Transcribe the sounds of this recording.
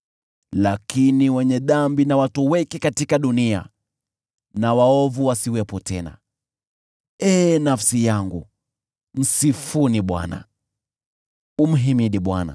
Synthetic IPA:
lakiniwɛɲɛɗambinawatuwɛkɛkatikaɗunia̰ | nawaɔvuwasiwɛpɔtɛna̰ | ɛːnafsijaŋɡu | m̩sifuniɓwa̰na̰ | um̩ɦimiɗiɓwana̰

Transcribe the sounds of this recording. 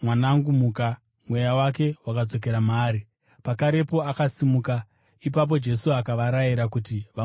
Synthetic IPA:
mwanaŋɡumuːka | mwe̞jawake̞wakad͡zo̞k̬e̞ɾamaːɾi | pakaɾe̞po̞akasimuka | ip̬ap̬o̞d͡ʒe̞suakaʋaɾajiɾakutiʋa

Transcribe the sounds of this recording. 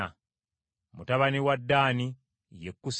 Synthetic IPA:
a | mutaβaniwadːaːni | jekːus

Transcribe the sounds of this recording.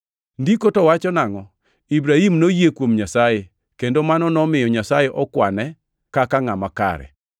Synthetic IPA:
ndikotɔwat͡ʃɔnaŋɔ | ibɾahimnojekwomɲasaje | kendomanɔnɔmɪjɔɲasajeʔɔkwanɛ | kakaŋamaka̰ɾɛ̰

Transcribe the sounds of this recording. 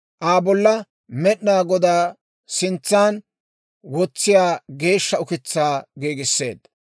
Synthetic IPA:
ʔaːbɔlːɐ | mɛɗnaːɡɔd̪aː | sɪnt͡sːaːn | wɔt͡sːɪjaːɡe̞ːʃːɐʊkɪt͡sːaːɡeːɡɪsːe̞̰ːd̪ːɐ

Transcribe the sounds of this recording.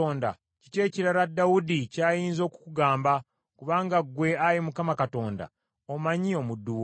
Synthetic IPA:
oːnda̰ | cice̞ːciɾaɾadawudicaːjiːnzo̞ːku̥kuɡaːmba | kuβaːŋɡaɡwe̞ajimukamakato̞ːnda̰ | omaɲio̞mudːuwo

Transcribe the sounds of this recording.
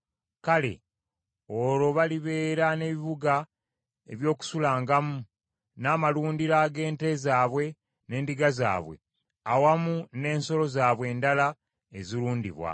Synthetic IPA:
kale̞̰ | o̞ɾo̞βaliβe̞ːɾane̞βiβuɡa | ḛβjo̞ːku̥sulaːŋɡamu | naːmaluːndiɾaɡe̞ːnte̞zaːβwe̞ | ne̞ːndiɡaza̰ːβwe̞̰ | awamune̞ːnso̞lo̞zaːβwe̞ːndala | eziɾuːndḭβwa̰

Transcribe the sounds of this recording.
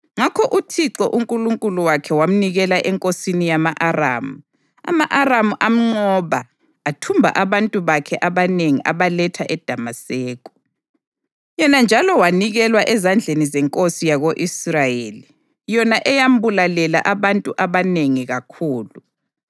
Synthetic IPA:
ŋakʰɔʔutʰiǀɔʔuŋkʼuluŋkʼuluwakʰɛwam̩niɣɛlaʔɛŋkʼosinijamaʔara̰ːmu | a̰maʔaramuʔam̩ŋ͡ǀɔβaː | tʰumbʱa̰ʔaβantʼuβakʰɛʔaβaneŋiʔaβalɛtʰaʔɛd̥ʱamasɛːkʼɔ̥ | jɔnand͡ʒʱalɔwaniɣɛlwaʔɛzand͡ɮʱenizɛŋkʼosijaɣoʔisrajeli | jɔnaʔɛjam̩bulalɛla̰ʔaβantʼuʔaβaneŋiɣakʰuːlu

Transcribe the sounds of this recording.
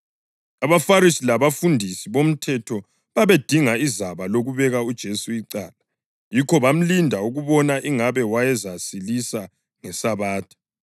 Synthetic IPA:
aβafaɾisilaβafundʱisiβom̩tʰɛtʰɔ | βaβed̥ʱiŋaizaβaloɣuβɛɣaud̥ʒ̥ʱesuiǀaːla | jikʰɔβam̩lindʱauɣuβɔnaʔiŋaβɛwajɛzasilisa | ŋɛsaβaːtʰi̥

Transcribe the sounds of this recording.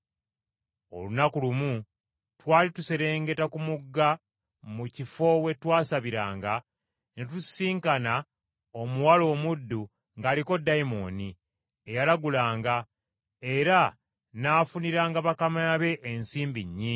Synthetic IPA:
o̞̰lunakulumu | twaːlituse̞ɾe̞ːŋɡe̞takumuɡːa | mucifo̞we̞twaːsaβiɾaːŋɡa | netusiːŋkana | o̞muwalo̞ːmudːu | ŋɡaːliko̞dːajimo̞̰ni | e̞jalaɡulaːŋɡa | e̞ɾa | naːfuniɾaːŋɡaβakamaβe̞ʔːnsiːmbiɲːi

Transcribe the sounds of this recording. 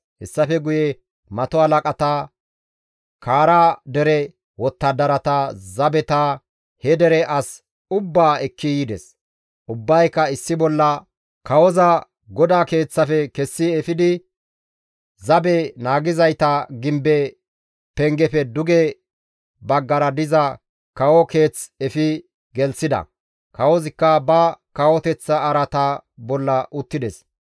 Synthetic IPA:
hɛsːɐfɛɡʊjɛ | mɐt̪ɔɐlɐkʼɐt̪ɐ | kʰaːɾaːd̪ɛɾɛ | wɔt̪ːɐd̪ɐɾɐt̪ɐzɐbɛt̪ɐ | hɛd̪ɛɾɛʔɐs | ʊbːaːɛkʰːijɪd̪ɛs | ʔʊbːɐjkːɐɪsːɪbɔlːɐ | kɐwɔzɐ | ɡɔd̪aːke̞ːt͡sːɐfɛkɛsːɪɛfɪd̪ɪ | zɐbɛnaːɡɪzɐjt̪ɐɡɪmbɛ | pɛŋɡɛfɛd̪ʊɡɛ | bɐɡːɐɾɐd̪ɪzɐ | kɐwɔke̞ːt͡sɛfɪ | ɡɛlsɪd̪ɐ̰ | kɐwɔzɪkːɐbɐkɐwɔt̪ɛt͡sːɐːɾɐt̪ɐbɔlːɐʔʊt̪ːɪd̪ɛs

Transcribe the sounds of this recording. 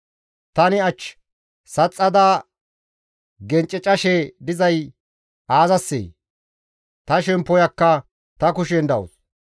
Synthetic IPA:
t̪ɐnɪɐt͡ʃː | sɐt͡sʼːɐd̪aː | ɡɛnt͡ʃʼːɛt͡ʃʼɐʃɛd̪ɪzɐj | aːzɐsːḛj | t̪ɐʃɛmpːɔjɐkːɐ | t̪ɐkʊʃɛnd̪ɐwʊ̰s

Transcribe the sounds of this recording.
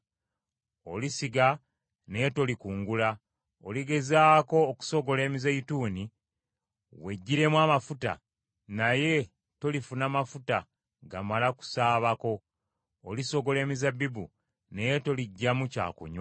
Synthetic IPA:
o̞lisiɡa | nejeto̞likuːŋɡula | o̰liɡe̞zaːko̞ːku̥so̞ɡo̞le̞ːmizeituːni | we̞ɟːiɾe̞mwamafuta̰ | naje̞ | to̞lifunamafuta | ɡamalaku̥saːβako̞ː | liso̞ɡo̞leːmizabːibṵ | ne̞jeto̞liɟːamuca̰ːkṵɲwa

